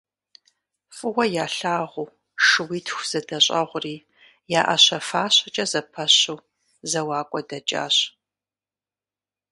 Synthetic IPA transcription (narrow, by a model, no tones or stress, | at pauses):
fʼɨwʷɐjaːɬaːʁʷʊː | ʂɨwiːtʰxʷz̥ɨdɐɕʼɐ̰ʁʷʊriː | jaːʔɐɕɐfaːɕɐt͡ʃʼɐzɐpʰɐɕuw | zɐwaːkʷʼɔdɐt͡ʃʼa̰ːɕ